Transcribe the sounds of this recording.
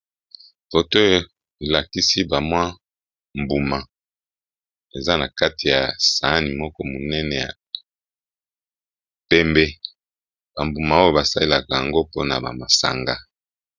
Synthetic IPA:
fo˨to˦jo˨ | i˨la˨ki˦si˦ba˨mwa˦ | m̩bu˨ma˨ | e˨za˦na˨ka˦ti˨ja˨sa˨˦ni˨mɔ˦kɔ˦mo˨nɛ˦nɛ˨ja̰˨ | pɛ˦mbɛ˦ | ba˨mbu˨ma˨o˦jo˨ba˨sa˦li˦la˨ka˨ja˨ŋɡo˦po˦na˨ba̰˨ma˨sa̰˨ŋɡa˦

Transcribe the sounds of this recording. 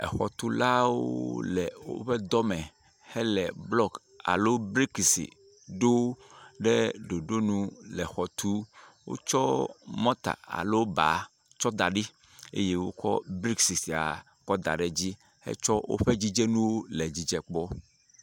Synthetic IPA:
ɛ̰˨xɔ˨t̪u˦la˦wo̰˦lɛ˨wo̰˦ɸɛ˦d̪ɔ˦mɛ̃˨ | hɛ˦lɛ˨blɔ˦k | a̰˨lo˦bɾi˦ksḭ˨ | ɖo˦ɖɛ˦ɖo˨ɖo˦nũ˦lɛ˨xɔ˨t̪u˦wo̰˦t͡ʃɔ˦mɔ̃˦t̪a̰˨a̰˨lo˦ba̰˨ | t͡ʃɔ˦d̪a˨ɖi˦ | ḛ˦je˦wo̰˦kɔ̰˦bɾi˦ksi˨si˨a̰˨ | k͡pɔ˦d̪a̰˨ɖɛ˨d͡ʑi˦ | hɛ̰˦t͡ʃɔ˦wʔo̰˦ɸe˦d͡ʑi˦d͡ʒɛ˦nũ˦wo˦lɛ˨d͡ʑi˦d͡ʒɛ˦k͡pɔ˦

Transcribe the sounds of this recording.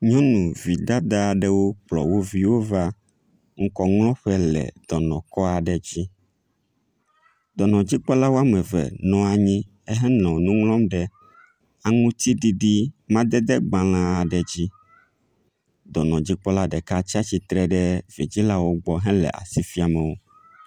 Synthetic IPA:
ɲɔ̃˦nũ˨vi˨d̪a˦d̪a˦˨ɖɛ˦wo˦k͡plɔ̰˨wo˦vi˦wo˦va˦ | ŋ̩˦kɔ˨ŋlɔ̃˦ɸɛ˦lɛ̰˨d̪̥ɔ˨nɔ̰̃˨kɔ˦a˨ɖɛ˨d͡ʑi˦ | d̪ɔ˨nɔ̃˨d͡ʑi˦k͡pɔ˦la˦wo˦a˦mɛ˨vɛ̰˨nɔ̃˦a˨ɲĩ˦ | ɛ˦ɦɛ̃˦nlɔ̃˨nũ˦ŋlɔ̃˦mɖɛ˨ | a˨ŋũ˦t̪i˦ɖi˦ɖi˦mã˦d̪ɛ˦d̪ɛ˦ɡ͡bã˨lã˦a˨ɖɛ˨d͡ʑi˦ | d̪ɔ˨nɔ̃˨d͡ʑi˦k͡pɔ˦la˦ɖɛ˨ka˦t͡ɕi˦a˦t͡ɕi˨t̪ɾɛ˨ɖɛ˦vi˨d͡ʑi˦la˦wo˦ɡ͡bɔ˦ɦɛ̃˦lɛ̰˨ʔa̰˨si˦fi˦a˨mɛ˨wo˦

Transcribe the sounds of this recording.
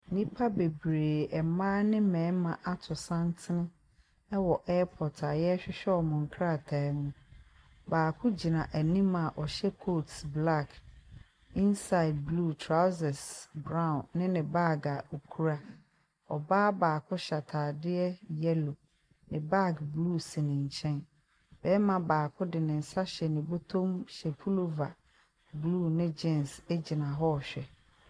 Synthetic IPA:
nĩ˦pʰa˦be˨bɾeː˨ɛ˨mãː˦nɪ̃˦mɛ̃ː˨˦mã˨ʔa˦tʰʊ˨sã˦n˦tʰɪ˦nɪ̃˦ | ɛ˦wɔ˨ʔɛ˦pʰɔ˨tʰa˨jɛ˦ɕᶣɪ˦ɕᶣɛ˦ɔ˨mʊ̃˨ŋ̩˨kʰɾa˦˨tʰa˨˦mũ˦ | baː˨kʰʊ̃˦d͡ʑi˨nã˨ʔæ˨nĩ˦mã˨ʔɔ˨ɕɛ˦kʰoː˦˨tbla˦˨k | ĩ˦nsa˦ɪ˨d̚blu˦˨tʰɾa˦sɛ˨sbɾã˦˨ʊ̃˨nːɪ̃˦nɪ̃˨ba˦ɡa˨o˨kʰu˦ɾa˦ | ɔ˨baː˦baː˨kʰʊ˦ɕa˨tʰaː˨dɪ˦ɛ˦jɛ˦lo˨ | nɪ̃˨ba˦ɡbluː˦˨sɪ˨nɪ̃˨ɲ̩˨t͡ɕʰɛ̃˦n | b̥ɛː˦mã˨baː˨kʰʊ˦dɪ˨nɪ̃˨n̩˨sa˦ɕɛ˨nĩ˨bo˦tʰõ˦mɕɛ˨pʰu˦lo˨va˨ | bluː˦˨nɪ̃˦d͡ʑɛ̃˦˨nse˦d͡ʑi˨nã˨ɦɔ˦˨ɕᶣɛ˨

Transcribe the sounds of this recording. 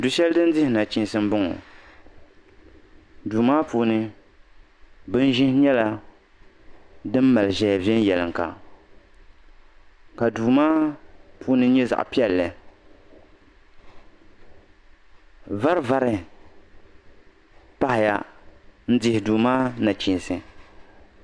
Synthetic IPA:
du˨˦ʃɛ˦ldɨ˦n˦dɪ˦hɪ˨na˨t͡ʃi˦n˦sɨ˦m˦bʊ˦ŋɔ̰˨ | duː˨maː˦puː˦nɨ˦ | bɨ˦n˦ʒɪ̃˦hɲɛ˦la˦ | dɨ˦mː˦a˨lɨ˨ʒɛ˨ja˨vi˦ɛ˦n˦jɛ˨lɨ˨ŋ˨ka̰˨ | ka˨duː˨maː˦puː˦nɨ˦ɲɛ˦za̰˨ʔpi˦ɛ˦˨lːɨ˨ | va˦ɾva˦ɾɨ˨ | pa˦hɪ˨ja̰˦n̩˦dɪ˦hɪ˨duː˨maː˦na˨t͡ʃi˨nsɨ˨

